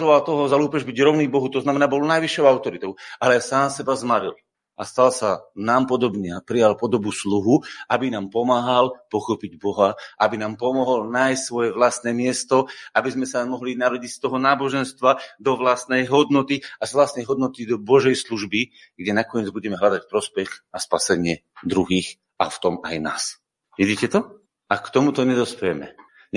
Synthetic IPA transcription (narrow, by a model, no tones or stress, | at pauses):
ʒɔʋalt̪ɔɦɔzaluːpɛʒbiɟɾɔʊnibɔɦut̪ɔznamɛnaːbɔlɔnajʋiʃːɔʊaʊt̪ɔɾit̪ɔʊʔalɛsaːmsɛbazmaɾḭl | ʔast̪alsanaːmpɔd̪ɔbɲɛapɾijalpɔd̪ɔbusluɦuʔabinaːmpɔmaːɦalpɔxɔpiɟbɔɦaʔabinaːmpɔmɔɦɔlnaːjssʋɔjɛʋlast̪nɛːmɪɛst̪ɔʔabizmɛsamɔɦlinaɾɔɟicst̪ɔɦɔnaːbɔʒɛnst̪ʋad̪ɔʋlast̪nɛjɦɔd̪nɔt̪iazʋlast̪nɛjɦɔd̪nɔt̪id̪ɔbɔʒɛjsluʒbi | ɡɟɛnakɔɲɪɛd͡zbuɟɛmɛɦlad̪acpɾɔspɛxaspasɛɲɪɛd̪ɾuɦiːx | a̰ft̪ɔmajna̰ːs | ʋiɟiːcɛt̪ɔ | ʔakt̪ɔmut̪ɔɲɛd̪ɔspɛjɛmɛ̰